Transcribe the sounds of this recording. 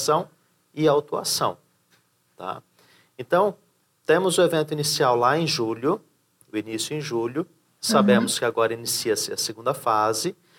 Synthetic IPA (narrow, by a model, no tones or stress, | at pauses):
sɐ̃w̃ | ɪawt̪ua̰sɐ̰̃w̃ | t̪a̰ | ẽnt̪ɐ̃w̃ | t̪ẽmʊzʊevẽnt̪ʊinisiawlaẽj̃ʒuʎʊ | ʊinisjʊẽj̃ʒuʎʊ | sabẽmʊskɪaɡɔɾɐinisiɐsɪɐseɡũnd̪ɐfazɪ